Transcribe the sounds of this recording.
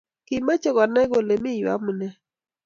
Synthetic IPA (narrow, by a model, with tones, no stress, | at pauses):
kɪ˨ma˦t͡ʃɔ˦˨ɡɔ˨nɛ˦ɡo˨le˨mɪ˦jwa̰˦mu˨nɛ˦